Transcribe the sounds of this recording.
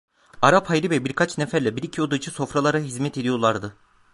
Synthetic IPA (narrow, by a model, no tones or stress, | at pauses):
aɾaphajɾivɛbiɾkʰat͡ʃnefæɾlʲɛbiɾicʰijod̪ɯt͡ʃʰiso̞fɾalˠaɾaɦizmɛt̪ʰe̞d̪ijo̞ɾlˠaɾd̪ɯ